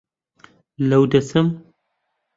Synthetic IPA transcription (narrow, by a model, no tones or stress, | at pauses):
lɐwd̪ɐsɨm